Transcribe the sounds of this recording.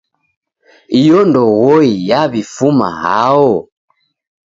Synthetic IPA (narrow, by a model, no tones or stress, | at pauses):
ijɔndɔɣɔijaβifuma̰ha̰ɔ